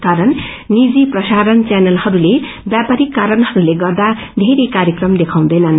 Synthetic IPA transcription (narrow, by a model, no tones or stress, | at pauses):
kaɾʌnː | id͡ziprʌsaɾʌnt͡sanʌlhʌɾule | bjapaɾikːaɾʌnɦʌɾuleɡʌrd̪a | d̪ʱeɾikaɾjʌkrʌmd̪ekʰãw̃d̪ʌjnʌn